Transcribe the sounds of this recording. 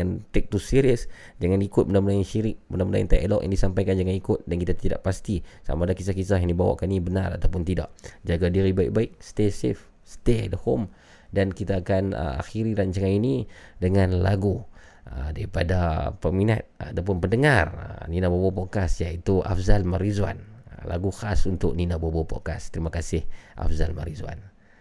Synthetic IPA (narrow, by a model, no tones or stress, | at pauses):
ant̪ɛk̚t̪usiɾiəs | d͡ʒaŋanikʊt̪̚mənaməlajinʃiɾɪk̚bənaməlaint̪aʔlɔ̰k̚jʔa̰ŋdisampajkand͡ʒaŋanikʊt̪̚dankit̪at̪ida̰ʔpast̪isa̰madakis̬ahkisahɦjaŋdibawa̰ʔkanibənara̰t̪awpʊnt̪ida̰ʔd͡ʒaɡadiɾibaɪ̰k̚baɪk̚sə̥t̪esif | st̪edəhom | dankit̪aːkanə̰a̰xiɾiɾaɲt͡ʃaŋaninidəŋanlaɡu | ədaɾipadapərmina̰t̪̚ːt̪awp̬ʊnpəndəŋar̰ninabobopoʔkasjait̪ua̰fzalmaɾizua̰nla̰ɡuxasunt̪ʊk̚ninabobopo̰ʔkast̪əɾimakasɪhʔa̰fzalma̰ɾizua̰n